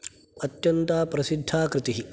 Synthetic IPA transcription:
ɐt̪jɐnt̪aːpɾɐsid̪ʱːaːkɾɪt̪iɦi

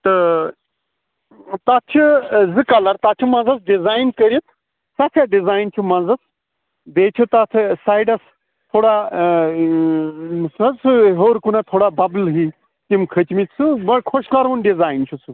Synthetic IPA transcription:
t̪ɨ | t̪at͡ʃʰizɨkalɐɾt̪aːt͡ʃʰumɐ̃nzɐsɖizaːjnkəɾit̪ʰ | sɐfʰaɖizaːjnt͡ʃʰumɐ̃nzɐs | d̪eːt͡ʃʰut̪at̪ʰsaːjɖɐs | t̪ʰoːɽa | sɐsɨɦoːɾkunat̪ʰoːɽabɐblɦiː | t̪imkʰət͡ʃmit̪ʰsɨbɐkʰoʃkaːɾonɖizaːint͡ʃʰusɨ

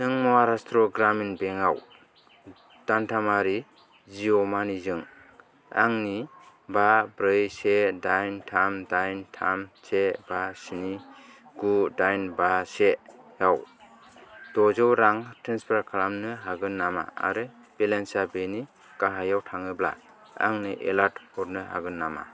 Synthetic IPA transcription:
nɯŋmɔaɾastɾɔɡɾaminbeŋaw | d̥antʰamaɾi | d͡ʒiɔmanizɯŋ | a̰ŋni | babɾɯjsedajntʰamdajntʰamsʰebasiniɡudajnbasejaw | d̥ɔzɯwɾaŋtʰɾenspʰaɾkʰalamnɯɦaɡɯnːama̰a̰ɾɯ | b̥elensabeni | kaɦajawtʰaŋɯbla̰ | a̰ŋniʔḛlatpɔɾnɯɦa̰ɡɯnːama̰

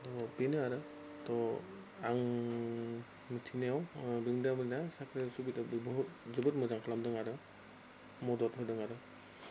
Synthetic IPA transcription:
tɔpinɯaɾɯ | tɔ | aŋ | mitʰinejawbɯŋdamɯnnasakʰɾesubitbɔɦut̚zɔbɯtmɔzaŋkʰɔlamdɯŋaɾɯ | mɔdɔtɦɔjdɯŋaɾɯ

